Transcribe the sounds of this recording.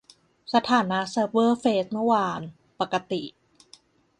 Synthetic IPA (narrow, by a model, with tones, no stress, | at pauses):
sa˧t̪ʰaː˩˦na˦˥ʔsaː˧˦˥bɤː˥˩feː˦˥s̚mɯ˥˩ə˨waː˧n | pa˨˩ka˧t̪i˨˩ʔ